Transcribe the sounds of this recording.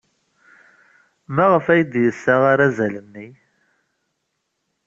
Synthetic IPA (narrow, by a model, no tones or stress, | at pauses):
mæʁəfæjəd̪jəsːaʁaɾæzælənːi